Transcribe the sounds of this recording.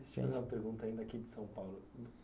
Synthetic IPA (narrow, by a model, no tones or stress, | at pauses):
ist͡ʃḭmɐ̰zũmɐpeɾɡũnt̪aĩnd̪ɐakid͡ʒɪsɐ̃w̃pawlʊ